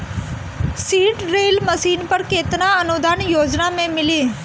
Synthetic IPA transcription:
siːʈɾeːlməsiːnpəɾkeːt̪ɪnaɐnʊd̪ʱaːnjoːd͡ʒnamẽmɪleː

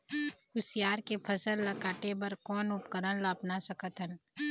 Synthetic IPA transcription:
ʊsijaːɾkepʰəsəlːəkaːʈebɐɾkɔːnʊpkəɾənlaːpnasəkət̪ɦən

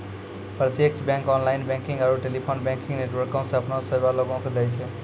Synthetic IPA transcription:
pɾət̪jek̚t͡ʃbɛ̃ŋkɔnlaɪnbɛ̃kĩŋɡaɾuʈelipʰonbɛ̃ŋkĩŋɡneʈʋəɾkõsẽəpnosəbaloɡõked̪ɛjt͡ʃʰɛ

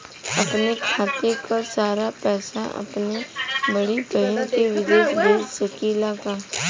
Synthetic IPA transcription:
ɐpnekʰaːt̪ekasaːɾapɛːsaɐ̰pnebɐɽibəɦənkeʋɪd̪eːʃbeːd͡ʒsəkilaːka

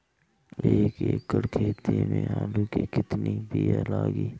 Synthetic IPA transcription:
eːkeːkːəɽkʰeːt̪imẽaːluːkikɪt̪nibialaːɡiː

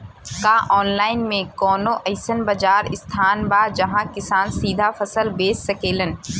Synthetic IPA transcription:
kaʔɔːnlaːɪnmẽkɔːnõʔɐɪsənbɐd͡ʒaːɾɪst̪ʰaːnbaːd͡ʒɐɦãkɪsaːnsiːd̪ʱafɐsəlbeːsːəkeːlən

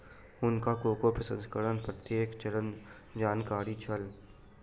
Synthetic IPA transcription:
ʊnkakoːkopɾəsə̃nskəɾənpɾət̪jeːkt͡ʃəɽən | d͡ʒaːnkaːɾit͡ʃʰəl

